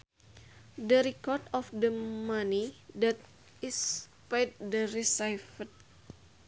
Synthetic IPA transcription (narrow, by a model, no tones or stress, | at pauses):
dəɾikɔrdɔfdəmanidat̪̚ | is | pajd̚dəɾisajfət̪̚